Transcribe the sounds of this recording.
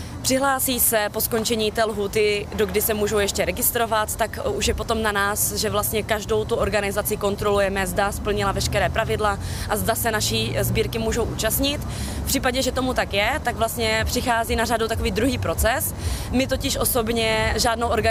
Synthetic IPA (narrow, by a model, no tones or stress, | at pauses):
pr̝̥ɪɦlaːsiːsɛpo̞sko̞nt͡ʃɛɲiːt̪ɛːlɦuːt̪ɪdo̞ɡdɪsɛmuːʒowjɛʃcɛɾɛɡɪst̪ɾo̞vat̪ːakuʃjɛpot̪o̞mnanaːsʒɛvlast̪ɲɛkaʒdo̞wt̪uʔo̞ɾɡanɪzat͡sɪko̞nt̪ɾo̞lujɛmɛzdaspl̩ɲɪlavɛʃkɛɾɛːpɾavɪdla | ʔazdasɛnaʃizbiːɾkɪmuːʒo̞wʔuːt͡ʃast̪ɲɪt̪ | fpr̥iːpaɟɛʒɛt̪omut̪akjɛt̪aɡvlast̪ɲɛpr̥ɪxaːziːnaradowt̪akoviːd̪ɾuɦiːpɾo̞t͡sɛs | mɪt̪o̞cɪʃʔo̞so̞bɲɛʒaːdnowʔo̞ɾɡa